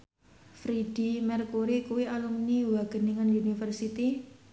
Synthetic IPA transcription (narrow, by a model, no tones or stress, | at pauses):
fɾid̥i̤mɛrkuɾikuwialumniwaɡ̥ə̤niŋaniunifərsit̪i